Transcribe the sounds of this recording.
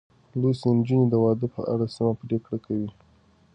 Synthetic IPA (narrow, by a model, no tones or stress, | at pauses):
losend͡ʒuned̪əwɑd̪əpə̰ʔa̰ɽasəmapɾekɽakʰawi